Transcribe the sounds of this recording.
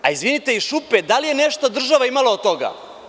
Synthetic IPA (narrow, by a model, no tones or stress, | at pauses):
aizʋinit̪eiʃuped̪alije̞neʃt̪od̪r̩ʒaʋaimalaot̪t̪oɡa̰